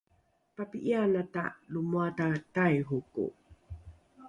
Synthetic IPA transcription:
papiʔianata̰lumuatatajɦukṵ

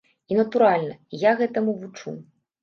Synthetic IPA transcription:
inɐt̪uɾalʲnɐjaɣɛt̪ɐmuvut͡ʂṵ

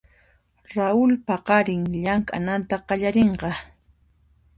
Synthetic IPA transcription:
ɾaʊlpaɢɑɾɪŋʎaŋkʼa̰nant̪aɢɑʎaɾeɴɢɑ

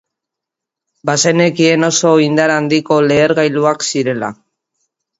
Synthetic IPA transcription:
basene̞kie̞no̞so̞ind̪aɾand̪iko̞le̞ːɾɣajluaksiɾe̞la̰

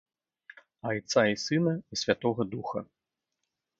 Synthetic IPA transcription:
ajt̪saisɨnɐisʲvʲat̪ɔɣɐd̪uxɐ̰

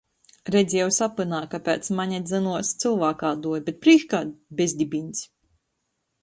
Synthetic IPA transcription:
ɾɛd̪zʲjɛwsapɨnaːkapʲɛ̰ːt̪smaɲad̪zɨnuɔst̪sɨlˠvaːkaːd̪uɔjbʲet̪̚pɾiːkkaːt̪bʲezʲd̪ʲibinʲs

